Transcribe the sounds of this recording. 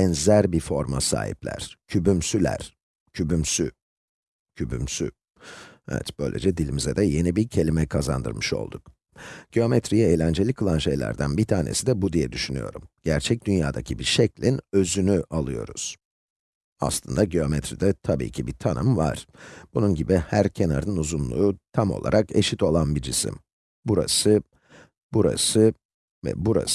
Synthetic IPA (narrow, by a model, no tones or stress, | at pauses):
ɛnzæɾbifo̞ɾma̰sa̰ːɦḭplʲæ̰ɾ̥cʰybymsylʲæ̰ɾ̥ | cʰybymsy | cʰyby̰msy̰ | ɛ̰vɛ̰t̪b̥ø̞jlʲe̞̰d͡ʒɛd̪ilʲimizɛd̪ɛje̞nibicʰe̞lʲimɛkʰaza̰nd̪ɯ̰ɾmɯʃo̞̰lˠd̪uk | ɟ̥eo̞mɛt̪ɾijɛeːlʲænd͡ʒe̞lʲikʰɯlˠanʃe̞̰jlʲæ̰ɾd̪ænbit̪ʰaːnesid̪ɛbud̪ijɛd̪yʃyny̰jo̞̰ɾumɟ̥æɾt͡ʃʰɛc̚d̪ynja̰ːd̪acʰibiʃɛclʲinø̞zynyʔalˠɯjo̞̰ɾuz̥ | a̰slˠɯnd̪aɟeo̞mɛt̪ɾid̪ɛt̪ʰabḭːcʰibit̪ʰanɯmva̰ɾ̥b̥ununɟibihæɾcʰe̞naɾɯnuzumlˠuːt̪ʰamo̞lˠa̰ɾʔake̞ʃit̪o̞lˠanbid͡ʒisḭm | buɾa̰sɯ | buɾa̰sɯ | vɛ̰buɾa̰s